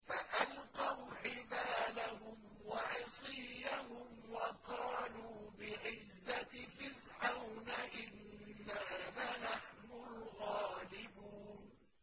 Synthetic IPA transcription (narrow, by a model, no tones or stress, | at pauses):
faʔalqɑwħɪbaːlahʊm | waʕɪsˤɨahʊmwɑqɑːluːbɪʕɪzːat̪ɪfɪlʕawnɪʔɪnːanaːnaħnʊlɣɑːlɪbuːn